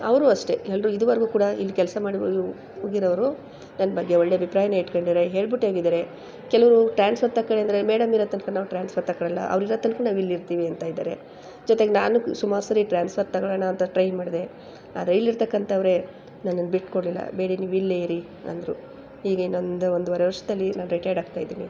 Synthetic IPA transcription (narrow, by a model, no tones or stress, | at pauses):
ɐʋɾuɐʂʈe̞ɛlːɾuid̪uʋɐɾɡuːkuːɽɐilːikɛlsɐmaːɽiu | oɡiɾɐʋɾu | nɐnːɐbɐɡːe̞oɭːeɐbʱipɾaːjɐneiʈkoɳɖid̪ɾeɦeːɭbiʈːeːɡid̪ɐɾe̞ | kɛlɐʋɐɾuʈɾaːnspʰɐɾt̪ɐkːɐɭeɐnd̪ɐɾe̞meːɽɐmiɾɐt̪ɐnkɐnaːʋuʈɾaːnspʰɐɾt̪ɐkːɐɭɐlːɐ̰ʔɐ̰ʋɾiɾɐːt̪ːɐnkɐnaːʋilːiɾt̪iːʋiɐnt̪aːjid̪a̰ːɾe̞ | d͡ʒɔt̪e̞ɡenaːnusumaːɾusɐɾiʈɾaːnspʰɐɾt̪ɐɡɐɭɐɳɐːnt̪ɐʈɾɐjmaːɽid̪e̞ | a̰ːd̪ɐɾeilːiɾt̪ɐkːɐnt̪ɐːʋɾe̞ | nɐnːɐnbiʈkoɽlilːɐ̰beːɽiniːʋilːejiɾi | ɐ̰nd̪ɐɾu | iːɡɐinːond̪ɐnd̪uʋɐɾɐʋɐɾʂɐd̪ɐlːinaːnuɾiʈɐjɖaːɡ̚t̪aːjd̪iːni